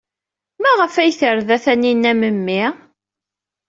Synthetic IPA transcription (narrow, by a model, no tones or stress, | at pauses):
mæʁəfæjθəɾðæθæninːæməmːi